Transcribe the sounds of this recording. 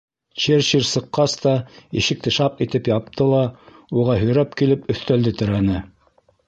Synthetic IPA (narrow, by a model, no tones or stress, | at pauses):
t͡ɕeɾɕiɾsɤ̆qːɑst̪ɑḭʃɘ̆k̚t̪ɘʃɑp̚it̪ɘpjɑp̚t̪ʰɤlˠɑ | uʁɑɦɵ̆jɾæpkilɘpɵ̆θt̪æld̪ɘt̪ɘ̆ɾænɘ